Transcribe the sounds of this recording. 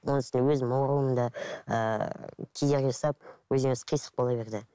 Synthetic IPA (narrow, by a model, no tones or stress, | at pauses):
wʔonɪsɪnd̪ewɵzmɑwɾuəənd̪ɑə̰kʲʰejd̪e̞ɾɡʲeʒɑsɑp̚wɵzeŋɪzqʰijsə̥q̚boɑbe̞ɾd̪ɪ